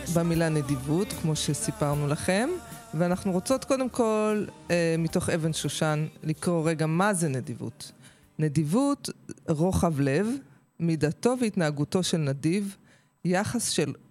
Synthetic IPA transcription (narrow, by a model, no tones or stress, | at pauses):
bamilanedivutkmo̞ʃe̞sipaʁnulaχe̞m | veanaχnuʁot͡so̞tko̞de̞mko̞lemito̞χe̞ve̞nʃuʃanlikʁo̞ʁe̞ɡamazenedivṵt | nedivutʁo̞χavle̞v | midato̞veitnaːɡuto̞ʃe̞lnadiv | jaχasʃe̞l